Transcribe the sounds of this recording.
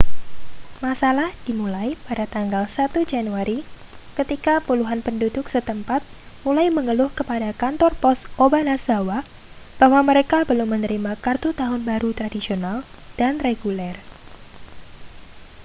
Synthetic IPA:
masalahd̥imulajpadat̪aŋɡalsat̪ud͡ʒanuaɾi | kət̪ikapuluɦanpəndudʊksət̪əmpat̪̚ | mulajməŋəlʊhkəpadakant̪ɔrpɔsobanasawa | b̥ahwaməɾekabəlʊmːənəɾimakart̪ut̪aɦʊnbaɾut̪ɾadisional | d̥anreɡulɛr

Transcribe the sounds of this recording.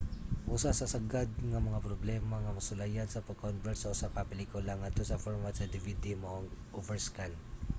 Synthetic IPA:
ʔusasɐsɐɡad̪̚ŋɐmɐŋapɾoblɛmɐŋɐmɐsʊlajɐnsɐpɐɡ̚konvɛɹt̪sɐʔʊsapapɛlikʊlaŋɐt̪osɐfoɹmat̪sɐd̪ɪvid̪imoʔŋʔovɛɹskal

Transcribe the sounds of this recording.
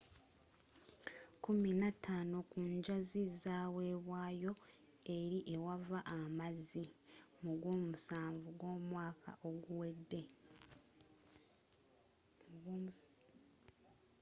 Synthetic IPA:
kuminatʰːaːnokuɲɟazizaːwe̞ːβwaːjo̞ | e̞ɾiʔe̞wavaʔamazimuɡwo̞ːmusaːɱvuɡwo̞ːmwaːkʰa̰ʔo̞ɡuwe̞dːe̞ | ɡ

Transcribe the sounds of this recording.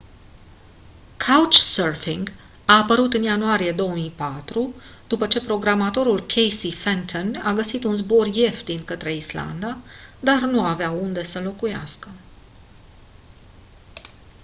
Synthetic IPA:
kʰawt͡ʃsərfiŋɡ | aːpəɾut̪ɨnjanuaɾije̞d̪o̞wəmijpat̪ɾud̪̥upət͡ʃe̞pɾo̞ɡɾamat̪o̞ɾulkʲʰejsifent̪ʰonaɡəsit̪unzbo̞rje̞ft̪d̪inkət̪ɾe̞isla̰nd̪ad̪arnuaːveaund̪e̞səlo̞kuja̰skə

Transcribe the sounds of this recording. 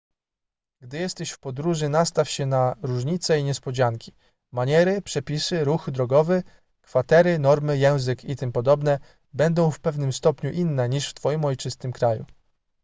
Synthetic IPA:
ɡ̥d̪ɘjɛst̪ɛɕfpɔd̪ɾuʐɘnast̪afɕɛnaɾuʐɲit̪sɛiɲɛspɔd͡ʑaŋkʲi̥ | maɲɛɾɘpʂɛpʲisɘɾuxd̪ɾɔɡɔvɘ | kfat̪ɛɾɘnɔɾmɘjɛ̃w̃zɘkit̪ɘmpɔd̪ɔbnɛ | bɛnd̪ɔ̃w̃fpɛvnɘmst̪ɔpɲuʔinːɛɲiʂft̪fɔjimɔjt͡ʂɘst̪ɘmkɾajṵ

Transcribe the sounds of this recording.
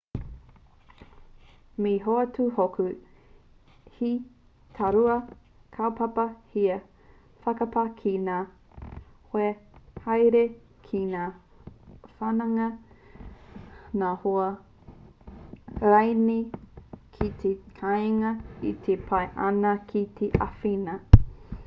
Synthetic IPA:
miɦoɐtuhokʰu | hi | tʰaɾuɐ | kʰawpapɐhiɐ | fɐkɐpɐkʰinaː | hoehajɾe | kʰinaː | fanɐŋɐ | naːhoɐ | ɾajni | kʰit̪ʰekʰajŋɐit̪ʰepʰajʔɐnɐkʰit̪ʰeʔa̰finɐ

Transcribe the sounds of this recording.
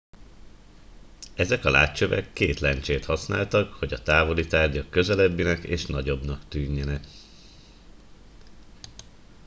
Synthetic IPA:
ɛzɛkɒla̰ːt͡ʃøvɛ̰kːeːt̪lɛnt͡ʃeːt̪hɒsna̰ːlt̪ɒkho̞ɟɒt̪aːvo̞lit̪aːrɟɒkːø̞zɛlɛbːinɛkḛːʃnɒɟo̞bnɒkt̪yːɲːɛnɛk

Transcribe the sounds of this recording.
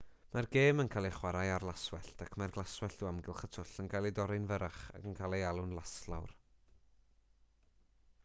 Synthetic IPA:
marɡeːmənkʰaːlˠiχwaɾajarlˠaswɛɬtʰakʰmarɡlˠaswɛɬd̥uːamɡɪlˠχətʰʊɬənkʰalˠidɔɾɪnvəɾaχa̰ɡənkʰalˠejalˠʊnlˠaslˠa̰wr

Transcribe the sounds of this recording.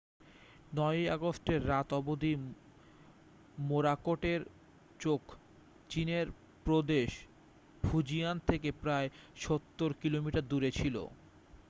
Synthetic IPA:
nɔja̰ɡosʈeɾːat̪ɔbod̪ʱi | moɾakoʈeɾ | t͡ɕokʰ | t͡ɕineɾ | pɾod̪eʃ | bʱud͡ʑijant̪ʰekepɾaeʃot̪ːoɾkilomiʈaɾd̪uɾet͡ɕʰilo̰

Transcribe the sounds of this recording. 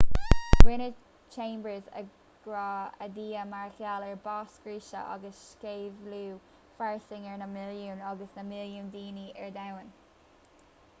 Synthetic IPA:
ɡwɪnə | t͡ʃʰẽːmbəzə̰ | ɡ̥ɹɑːə̰d̪iːəmaɹxjaləɹbɑːskɹiːʃə̰ʔɑ̰ɡəsʃkeːvluː | faɹsɪŋəɹnəmɪljuːnɑɡəsnəmɪljuːnd̪iːniʔɛɹd̪awən

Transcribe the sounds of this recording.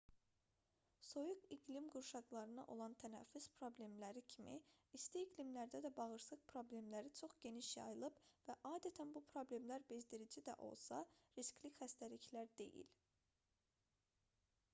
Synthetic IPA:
so̞juɡiɡlimɡuɾʃɑɡlˠɑɾɯnɑʔo̞̰lˠɑnt̪ʰænæ̰fːyz̥pʰɾo̞ble̞mlæɾicʰimḭːst̪iːɡlimlæɾd̪æd̪æbɑɣɯɾsɯq̚pʰɾo̞ble̞mlæɾit͡ʃʰo̞χɟe̞niʃjɑ̰jɯlˠɯbvæʔɑːd̪æt̪ʰænbupʰɾo̞ble̞mlæɾbe̞zd̪iɾid͡ʒid̪æ̰ʔo̞̰lˠsɑ̰ɾiscʲlicχæst̪æliçlæɾd̪e̞jḭl

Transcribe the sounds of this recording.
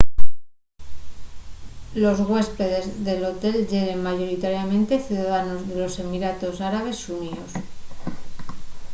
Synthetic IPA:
lo̞zɣwe̞spe̞ðe̞zðe̞lo̞t̪e̞lʝe̞ɾe̞nmaʝo̞ɾit̪aɾjamẽ̞nt̪eθjuðaðano̞zðe̞lo̞se̞miɾat̪o̞saɾaβ̞e̞sunios

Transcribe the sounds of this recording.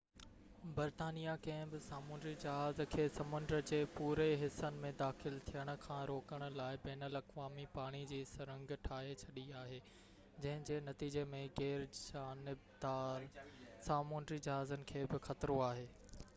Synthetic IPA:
bɐɾt̪aːnijakɐ̃ɦɪ̃bɪsaːmũːnɖɾid͡ʑɐɦaːzkʰeːsɐmʊ̃nd̪əɾəd͡ʑeːpuːɾeɦɪsənɪ̆mẽd̪aːxɪlt̪ʰijəɽ̃ʊ̆kʰãːɾoːkəɽ̃ʊ̆laːɪbɛːnəlɐkʋaːmipaːɽ̃id͡ʑiːsɐɾə̃ŋɡʈʰaːɦet͡ɕʰɐɗiaːɦeː | d͡ʑɐ̃ɦɪ̃d͡ʑeːnɐt̪iːd͡ʑemẽɣeːɾd͡ʑaːnɪb̚d̪aːɾsaːmuːnɾid͡ʑɐɦaːzənɪ̆kʰeːbɪxɐt̪ɾoaːɦeː

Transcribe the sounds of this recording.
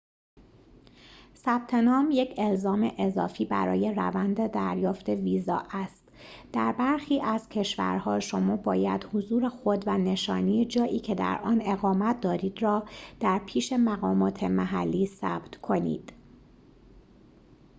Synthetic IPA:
sæb̥̚t̪ʰe̞nɒːmje̞cʰe̞lzɒːme̞ʔezɒːfiːbæ̰ɾɒ̰ːje̞ræ̰vænd̪ed̪æɾjɒːft̪e̞viːzɒ̰ːʔæst̪d̪̥æɾbæɾxiːʔæz̥cʰe̞ʃvæ̰ɾhɒːʃo̞mɒːbɒːjæ̰d̪hozuːɾexo̞d̪væne̞ʃɒ̰ːnijed͡ʒɒːʔiːcʰe̞d̪æ̰ɾʔɒːne̞ɣɒːmæt̪̚ʰd̪ɒːɾiːd̪rɒːd̪̥æɾpʰiːʃe̞mæɣɒːmɒːt̪ʰe̞mæɦælːiːsæ̰b̥t̪kʰo̞nḭːd̪̥

